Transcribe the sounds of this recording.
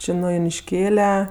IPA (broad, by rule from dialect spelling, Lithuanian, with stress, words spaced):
ˈt͡ʃʲɪ nʊ jʊnʲɪʃʲˈkʲeːlʲɛ